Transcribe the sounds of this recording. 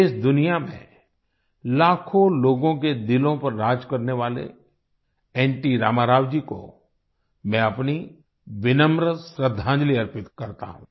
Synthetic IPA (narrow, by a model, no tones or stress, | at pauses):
ɪsd̪ʊnijamḛ̃ | laːkʰõloːɡõked̪ɪlõpɐɾːaːd͡ʒkɐɾneʋaːlḛ | ɛ̃ːɳʈiɾa̰ːmaːɾaːwd͡ʒiko̰ | mɛ̃ɐpni | ʋɪnə̃mɾəsɾəd̪ʱːãːd͡ʒliɐɾpɪt̪kɐɾt̪a̰ɦṵ̃ː